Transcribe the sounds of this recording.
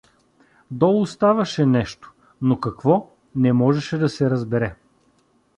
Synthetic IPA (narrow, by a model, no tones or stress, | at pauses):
d̪ɔlˠʊst̪avɐʃɛnɛʃt̪o̥ | nokɐkvɔ | nɛmɔʒɛʃɛd̪ɐsɛɾɐzbɛɾɛ